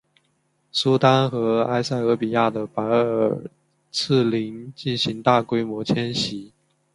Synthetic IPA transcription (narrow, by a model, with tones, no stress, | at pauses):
su˥t̪a˥nxɤ˧˥a˥ɪsa˥˩ɪə˧˥pi˨˩ja˥˩d̪ə˩pa˧˥ɪ˧ə˨˩ | t͡s̩ʰ˥˩li˧˥ŋt͡ɕi˥˩nɕi˧˥ŋt̪a˥˩kwe˥ɪmwɔ˧˥t͡ɕʰjɛ˥nɕi˧˥˦